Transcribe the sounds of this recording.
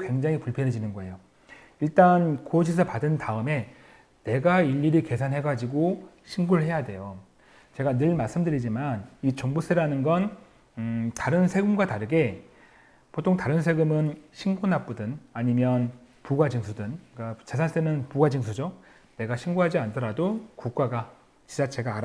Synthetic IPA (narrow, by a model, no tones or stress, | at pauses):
kwe̞ŋd͡ʑaŋipuɭpʰjʌnɦed͡ʑinɯnɡʌe̞jo | iɭt͈ankoɕ̬ʰisʰʌpadɯntaɯme̞ | ne̞ɡaiʎːiɾike̞sʰanɦe̞ɡad͡ʑiɡo | ɕʰiŋɡuɾɯɭhe̞jadwe̞jo | t͡ɕe̞ɡanɯɭmaɭs͈ɯmdɯɾid͡ʑimanit͡ɕʌŋbus͈ʰeɾanɯnɡʌn | taɾɯnsʰe̞ɡɯmɡwataɾɯɡe̞ | potʰoŋtaɾɯns̬ʰe̞ɡɯmɯnɕʰiŋɡunap͈udɯnaɲimjʌn | puɡwad͡ʑiŋsʰudɯnk͈at͡ɕesʰaɭs͈enɯnpuɡwad͡ʑiŋsʰud͡ʑo | ne̞ɡaɕʰiŋɡuɦad͡ʑiantʰʌɾadokuk̚k͈aɡa | t͡ɕid͡ʑat͡ɕʰe̞ɡaːɾ